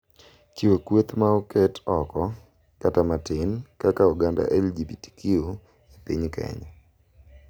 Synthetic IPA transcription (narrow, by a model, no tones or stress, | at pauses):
kiwekwet̪maɔkɛtʰɔkɔ | katamatɪnkakauɡanda̰ʔɛld͡ʒibiti̥kʰio | epiɲkɛ̰ɲɔ